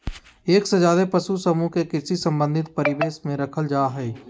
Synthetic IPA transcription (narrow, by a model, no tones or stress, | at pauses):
eːksed͡ʒaːd̪epəʃusəmukekɪɾsisə̃mbə̃nd̪ʱɪt̪pəɾɪʋeːsmẽɾɐkʰəld͡ʒaːɦɛː